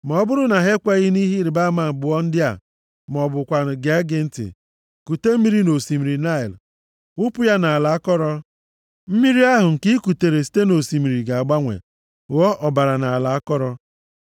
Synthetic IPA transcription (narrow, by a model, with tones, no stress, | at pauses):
mɔ˨˦bʊ˦ɾʊ˦na˨ɦe˦kʷa˦ɣi˦ni˦ɦi˦ɾɪ˨ba˦ma˨bʊ˨˦ɔ˦n̩˦dɪ˦a̰˨ | m˨ɔ˨bʊ˨kʷa˨ɾ̩˨ɡe˦ɡɪ˨n̩˦tɪ̰˨ | ku˨te˦m̩˦mi˦ɾi˦no˨si˨mi˨ɾi˨na˦i˨l | ʊ˦pʊ˦ja˦na˨a˨la˨a˦kɔ˦ɾɔ˦ | m̩˦mi˦ɾi˦a˦ɦʊ˨ŋ̩˨ki˦ku˨te˨ɾe˨s̬i̥˦te˦no˨si˨mi˨ɾi˨ɡa˨a˨ɡ͡ba˦ŋʷḛ˨ | ɣɔ˦ʔɔ˨ba˨ɾa˨na˨a˨la˨a˦kɔ˦ɾɔ˦